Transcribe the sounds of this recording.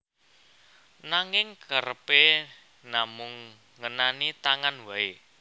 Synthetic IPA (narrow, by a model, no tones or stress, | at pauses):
naŋɪŋkəɾəpe | namʊŋː | ənanit̪aŋanwae